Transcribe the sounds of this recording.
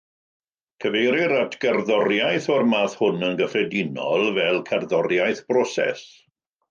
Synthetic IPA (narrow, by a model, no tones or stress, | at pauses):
kʰəvejɾɪɾatʰɡ̥ɛrðɔrjajθɔrmaːθhʊnənɡəfrɛdɪnɔ̰lˠvɛlˠkʰɛrðɔrjajθb̥rɔsɛ̰s